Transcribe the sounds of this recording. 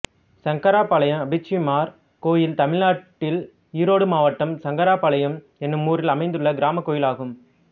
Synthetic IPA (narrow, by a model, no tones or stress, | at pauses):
sɐŋkɐɾaːpɐlɐjɐ̃mɐbɪt͡ʃːimaːɾ | koːjɪlt̪ɐmɪlaːʈːɪl | iːɾoːɽɯmaːʋɐʈːɐmsɐŋɡɐɾaːpɐɭɐjɐm | ɛnːɯmːuːrɪlɐmɐɪnd̪ɯɭːɐɡɪɾaːmɐkːoːjɪlaːɣɯm